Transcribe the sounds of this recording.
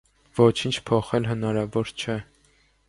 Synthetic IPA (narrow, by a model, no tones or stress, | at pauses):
vɔt͡ʃʰint͡ʃʰpʰɔχɛlɦənɑɾɑvɔɾt͡ʃʰɛ